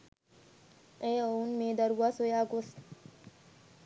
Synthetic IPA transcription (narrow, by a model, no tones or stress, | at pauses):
ʔeːounmeːd̪ɐɾuʋaːsojaːɡos